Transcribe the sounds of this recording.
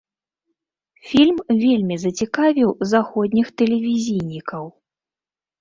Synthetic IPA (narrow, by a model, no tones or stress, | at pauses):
fʲilʲmvʲelʲmʲizɐt͡sʲikavʲiwzaxɔd̪ʲnʲixt̪ɛlʲɛvʲizʲijnʲikɐw